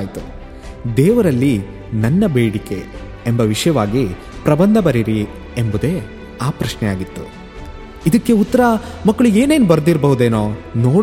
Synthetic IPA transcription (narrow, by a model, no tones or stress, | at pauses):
jt̪u | d̪ɛːʋɐɾɐlːi | nɐnːɐbeːɽike̞ | embɐʋiʂɐjɐʋaːɡi | pɾɐbɐnd̪ʱɐbɐɾiɾi | embud̪e̞ː | aːpɾɐʃnɛjaːɡit̪ːu | id̪ɐkːe̞ut̪ːɐɾɐmɐkːɐɭue̞ːne̞ːnubɐɾɐd̪iɾbɐɦud̪eːnoːnoːɽ